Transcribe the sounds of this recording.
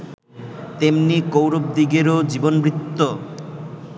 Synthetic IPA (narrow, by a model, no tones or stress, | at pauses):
t̪emnikowɾob̚d̪iɡeɾod͡ʑibonbɾit̪ːo